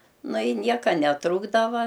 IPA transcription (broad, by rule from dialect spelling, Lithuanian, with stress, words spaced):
ˈnʊ ɪ ˈnʲiɛkɐ nʲɛˈtruːɡdɐʋɐ